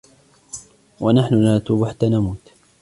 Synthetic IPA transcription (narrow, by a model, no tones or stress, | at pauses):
wanaħnʊnat̪uːbaħat̪ːaːnamuːt̪